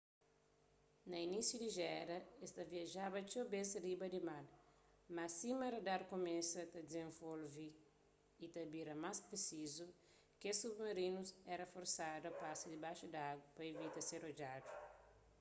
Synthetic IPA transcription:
nɐinisjudiʒɛɾɐest̪ɐviɐʒabɐt͡ʃowbẽnsɐɾibɐdimal | mɐsimɐɾɐdaɾkomesɐt̪ɐd̪izẽɱvolviː | t̪ɐbiɾɐmaspɾesizu | kesubmɐɾinusɛɾɐfoɾsadɐpasɐdibaʃudɐaɡwɐpɐevit̪ɐseɾod͡ʒadu

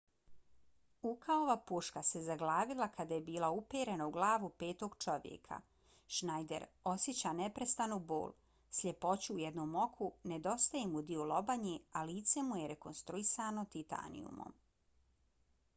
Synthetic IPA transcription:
ukaoʋapuʃkase̞zaɡlaːʋilˠakad̪ajebiːlˠaupeːɾenauɡlˠaːʋupe̞ːt̪o̞ɡt͡ʃo̞ʋjḛkʰa̰ | ʃnajd̪ḛɾo̞sjet͡ɕanepɾest̪anubo̰ːl | sʎʲe̞po̞t͡ɕuːjed̪noːmo̞kʰune̞d̪o̞st̪ajemud̪iulˠo̞baɲealiːt̪se̞mujeɾeko̞nst̪ɾuisano̞t̪it̪a̰nḭṵmo̰m

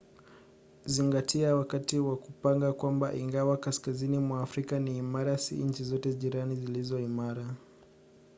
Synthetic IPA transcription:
ziŋɡatʰiawakatiwakupaŋɡakwamba̰ʔiŋɡawakaskazinimwaːfɾikaniːmaɾasḭɲ̩t͡ʃizɔtɛʄiɾanizilizɔimaɾa

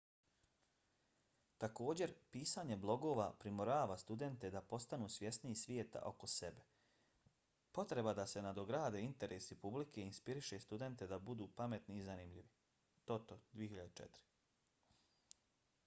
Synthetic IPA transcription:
t̪ako̞ːd͡ʑe̞ɾpiːsaːɲe̞blˠo̞ɡo̞ːʋapɾimoɾaːʋast̪ud̪e̞nt̪e̞d̪apo̞st̪anuːsʋje̞sniisʋjeːt̪a̰ʔo̞ko̞se̞be̞ | po̞t̪ɾe̞bad̪ase̞nad̪o̞ɡɾaːd̪eint̪e̞ɾʔeːsipublikʰe̞inspiɾiʃe̞st̪ud̪e̞nt̪e̞d̪abud̪uːpame̞t̪niːzanimʎiʋi | t̪o̞t̪od̪ʋijehiʎad̪et͡ʃḛt̪ɾi̥

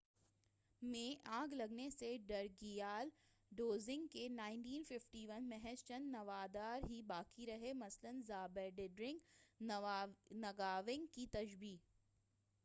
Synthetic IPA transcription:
mẽʔãːɡlɐɡneseɖɐɾɡijaːl | ɖoːzɪ̃ŋɡkenaːɪ̃nʈiːnfɪfʈiʋɐnmɛɦɛst͡ʃənːɐʋaːd̪aːɾɦibaːkiɾɐɦemɐslənzaːbəɖɪɖɾɪ̃ŋɡ | nɐɡaːʋɪ̃ŋɡkit̪ɐʒbiː

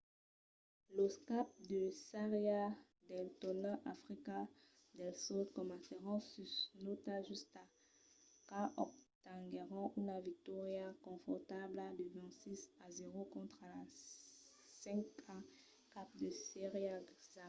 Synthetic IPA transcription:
loskap̚d̪əsaʁjja | d̪ɛlt̪ɔnaʔafʁika | d̪ɛlsɔd̪kɔmãseʁɑ̃sysnot̪aʒyska | kaʔɔkt̪ãɡeʁɑ̃ʔynavik̚t̪ɔʁjakɔ̃fɔʁt̪ablad̪əvɛ̃sisazeʁokɔ̃t̪χala | sɛ̃ka | kap̚d̪əseʁjaza

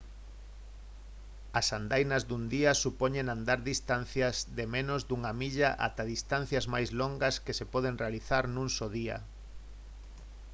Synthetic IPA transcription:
asand̪ajnɐzðund̪iɐsupoɲenand̪aɾðist̪an̟θjɐzðemenozd̪uŋamiʎaʔa̰t̪aðist̪an̟θjɐzmajzloŋɡɐskesepɔðenrealiθaɾnũnsoðiɐ̰

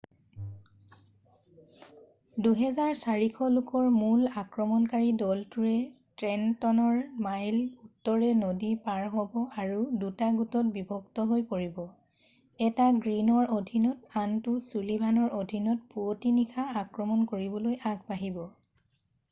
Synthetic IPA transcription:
duɦɛzaɹsaɹikʰɔlʊkɔɹmulakɹɔmɔnkaɹidɔltuɹɛtɹɛntɔnɔɹmajlutːɔɹɛnodipaɹɦɔbɔaɹudutaɡutɔt̚bibʱɔktɔɦojpoɹibɔ | ɛtaɡɹinɔɹodʱinɔtantʊsulibʱanɔɹodʱinɔt̚puotinikʰaakɹɔmɔnkoɹibɔlojaɡbaɦibɔ

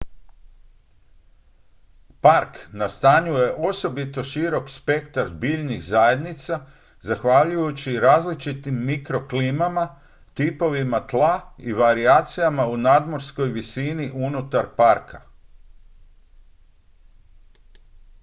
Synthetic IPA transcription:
paɾknast̪aːɲuje̞ʔo̞so̞bit̪o̞ʃiɾo̞kspe̞kt̪aɾzbiʎniɣzajed̪nit̪sa | zaxʋaʎujut͡ɕiɾaːzlit͡ʃit̪imːikɾo̞kliːmama | t̪ipo̞ʋimat̪lˠaiʋaɾiaːt̪sijamaunad̪mo̞ɾsko̞jʋisiniʔunut̪aɾpaɾkʰa̰

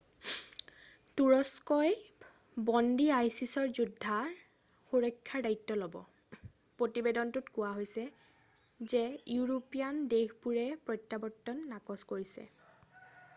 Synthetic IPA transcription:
tuɹɔskɔj | bɔndiajsisɔɹzudʱːa | xuɹɔjkʰːaɹdaitːɔlobɔ̰ | pɹotibedɔntutkʊaɦojsɛ | zɛjuɹopijandexbuɹɛpɹɔjtːabɔtːɔnːakɔskoɹisɛ̰

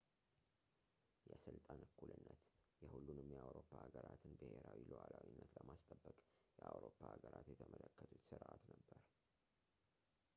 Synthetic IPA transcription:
jɛsɨlt̪ʼanɨkʰːulɨnːət̪jɛhulːunɨmjɛawɾo̞pʰːaːɡəɾat̪ʰɨnbɨheɾawilowalawinːət̪ləmast̪ʼəbːəkʼjɛʔawɾopːaːɡəɾʔat̪jɛt̪ʰəmʔələkːət̪ʰut̪sɨɾʔat̪nəbːəɾ

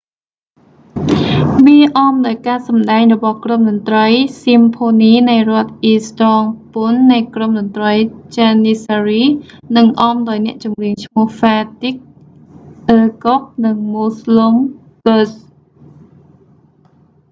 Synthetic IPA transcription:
ʋiəʔɑmɗaɔjkaːsɑmɗaɛŋrɔɓɑhkromɗɔnt̪rəjsimpʰoːniːnɨjrŏət̪̚ʔiːst̪ɑːŋpunːɨjkromɗɔnt̪rəjt͡ɕanisariːnɨŋʔɑːmɗaɔjnɛ̆əʔt͡ɕumriəŋt͡ɕʰmʊ̆əhfaːt̪ik̚ | ʔəːkok̚nɨŋmuslom | kəs

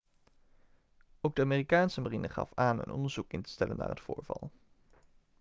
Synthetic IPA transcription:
owɡ̚dəaːmeːrikaːnsəmarinəχɑ̰faːnə̰nɔ̰ndəɹz̥ukɪntə̥stɛlənːa̰ːrɦətfʊːɹvɑlˠ

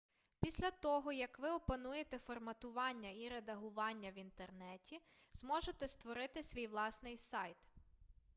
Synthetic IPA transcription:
pʲisʲlʲɐt̪ɔɦɔjɐkʋɪɔpɐnujet̪ɛfɔrmɐt̪ʊʋɑnʲːɐiɾed̪ɐɦʊʋɑnʲːɐʋint̪ernɛtʲiz̥mɔʒet̪ɛst̪ʋɔɾɪt̪ɪsʲʋʲijʋlˠɑsnɪjsɑjt̪

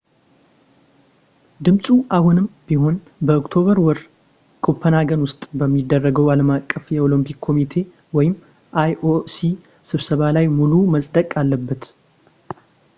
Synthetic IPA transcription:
d̪ɨmsʼuʔahunɨmbiɦo̞n | bəokʼt̪ʰo̞βəɾwɔɾ | kʰo̞pʰːənaɡənwʊst̪ʼbəmːid̪ːərːəɡəwaləmakʼːəfjɛo̞lompʰikʰːo̞mit̪ʰe̞ | wɔjɪm | ʔajʔosi | sɨβsəβalajmuluməsʼd̪əkʼalːəbːət̪

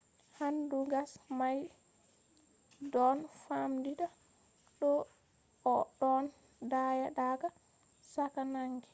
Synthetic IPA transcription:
handuɡasmaj | dɔnfamdiɗa | ɗɔː | ɗɔn | dajaɗaɡa | sakanaŋɡɛ̥

